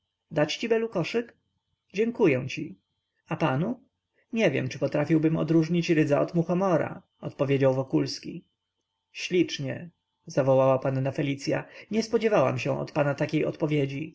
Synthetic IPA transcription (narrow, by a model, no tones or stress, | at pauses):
d̪at͡ɕt͡ɕibɛlukɔʂɘk | d͡ʑɛŋkujɛw̃t͡ɕi | apanu | ɲɛvʲjɛ̰mt͡ʂɘpɔt̪ɾafʲiwbɘmɔ̰d̪ɾuʐɲit͡ɕɾɘd̪zaɔt̪muxɔmɔɾa̰ | ɔt̪pɔvʲjed͡ʑawvɔkulskʲi | ɕlʲit͡ʂɲɛ̰ | zavɔwawapanːafɛlʲit̪sʲja̰ɲɛspɔd͡ʑɛvawa̰mɕɛ̃ʔɔ̰t̪panat̪akʲejɔt̪pɔvʲjed͡ʑi